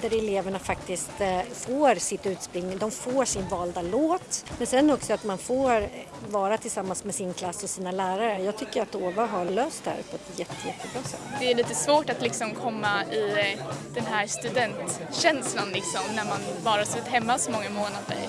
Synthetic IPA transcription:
d̪æɾɛleːvəɳafak̚t̪ɪst̪foːɾsɪt̪ːʉ̟ːt̪spɾʏŋːd̪ɔmfoːʂɪnvɑːld̪aloːt̪mɛnsɛnːɔksɔat̪manfoːɾ | vɑːɾat̪ʰɪlsamːansmɛsɪnkʰlasːɔsiːnalæːɾaɾəjɑːɡ̚t̪ʰʏkːəɾat̪oːvaɦaɾløːst̪hæ̰ːɾpʰɔɛt̪jɛt̪ːəjɛt̪ʰːəbɾɑːsɛ̰t̪ːd̪ɛæɭiːt̪əsvoːʈat̪lɪksɔmkʰɔmːaɪd̪̥ɛnɦæɾst̪ɵd̪ɛnt̪ɕɛnslanlɪksɔmnæɾmanbɑːɾasʉːt̪ːt̪hɛmːasɔmɔŋːamoːnaddɛ̰

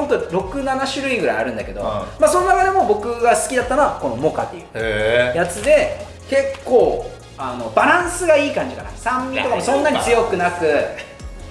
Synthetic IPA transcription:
hõnt̪oɾo̞kɯ̟nanaɕɨɾɯ̟iɡɯɾa̰ia̰ɾɯ̟̃nd̪a̰ke̞d̪o̞maso̞nonakad̪e̞mo̞bo̞kɯ̟ɡasɨ̥kʲid̪at̪ːano̞βako̞no̞mo̞ka̰t̪ːe̞jɯ̟̰ːjat͡sɨd̪e̞ | ke̞kːo̞ː | ano̞baɾãɰ̃sɨɡaiːkãɲ̟d͡ʑikana̰sãmːʲit̪o̞kamosõ̞nːaɲ̟it͡sɨjo̞kɯ̟nakɯ̟

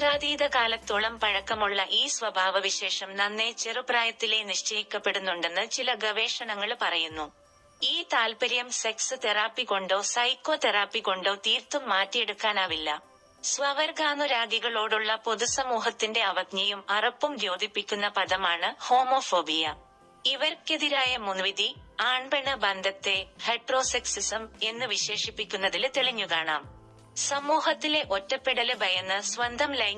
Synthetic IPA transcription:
praːd̪iːd̪ɐkaːlɐt̪ːuɭɐmpɐɻɐkːɐmuɭːɐʔiːsʋɐbʱaːʋɐʋiɕe̞ːʂɐmnɐnːe̞t͡ɕe̞rubraːjɐt̪ːile̞niʂt͡ɕɐjikʲːɐpːe̞ɽunːuɳɖe̞nːɨt͡ɕilɐɡɐʋe̞ːʂɐɳɐŋːɐɭpɐrɐjunːu | iːt̪aːlpɐɾjɐmse̞ksɨt̪eraːpːiko̞ɳɖo̞ːsɐjko̞ːt̪eraːpːiko̞ɳɖo̞ːt̪iːrt̪umːaːtːijeɽukːaːnaːʋilːɐ | sʋɐʋɐɾɡaːnuɾaːɡiɣɐɭo̞ːɽuɭːɐpo̞ðusɐmuːɦɐt̪ːinde̞ɐʋɐɡɲɐjumɐrɐpːumd͡ʑo̞ːd̪ʱipːikʲːunːɐpɐðɐmaːɳɨho̞ːmo̞ːfo̞ːbijɐ | iʋɐɾkeðiɾaːjɐmunʋiðiaːɳbɐɳɐbɐnd̪ʱɐt̪ːe̞hɐʈro̞ːseksisɐme̞nːɨʋiɕe̞ːʂipːikʲːunːɐðilt̪eɭiɲːukaːɳa̰ːm | sɐmuːɦɐt̪ːile̞ʔo̞tːɐpːiɽɐlɨbʱɐjɐnːɨsʋɐnd̪ʱɐmlɐj

